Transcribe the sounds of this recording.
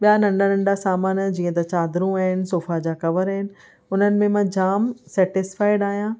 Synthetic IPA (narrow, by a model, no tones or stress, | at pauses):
ɓijanɐ̃ɳɖanɐ̃ɳɖasaːmaːnd͡ʑĩːə̃t̪ɐt͡ɕaːd̪ɾũaːɦɪnɪ̆soːfad͡ʑaːkɐʋəɾaːɦɪnɪ̆ | ʊnənɪ̆mẽmãd͡ʑaːmsɛːʈɪsfaːɪɖaːɦijãː